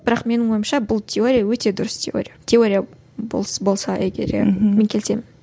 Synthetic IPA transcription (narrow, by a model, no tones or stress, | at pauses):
bɪɾɑqme̞nɪŋwo̞jəmʃɑbʊlˠt̪ʲʰe̞o̞ɾʲijawɵt̪e̞d̪ʊɾəst̪ʲʰe̞̰o̞̰ɾʲijat̪ʰʲe̞o̞ɾʲija | bo̰lˠbo̞lˠsɑʔeɡʲḛɾ̰me̞ŋkʲʰe̞lɪse̞mɪn